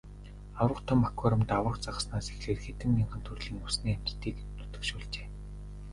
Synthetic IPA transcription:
awrə̆t̪ʰɔmːakʰɔɾə̆mt̪awə̆qt͡saʁə̆snaːsexɮeːrxet̪ɘ̆mːiɴɢə̆nt̪ʰurɮiːŋusniːæm̥t͡ɕ̪t̪ʰiːknut̪ɵ̆kʃʊːɮt͡ɕe̥ː

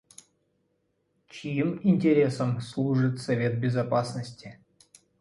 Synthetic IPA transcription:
t͡ɕijiminʲtʲeɾʲesəmslˠuʐɨt̪sɐvʲe̞t̪̚bʲɪzapasnəsʲtʲɪ

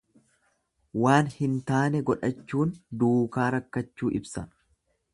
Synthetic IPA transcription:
waːnhɪnt̪aːnɛɡɔᶑɐt͡ʃːuːnd̪uːkaːɾɐkːɐt͡ʃːuːʔɪbsɐ̰n

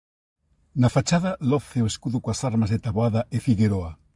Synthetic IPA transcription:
nafat͡ʃaðɐlɔθeoeskuðʊkoasaɾmazðet̪aβoaðɐefiɣeɾoa

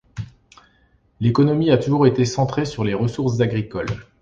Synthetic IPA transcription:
lekɔnɔmiat̪uʒuʁet̪esɑ̃t̪χesyʁleʁəsuʁszaɡʁikɔl

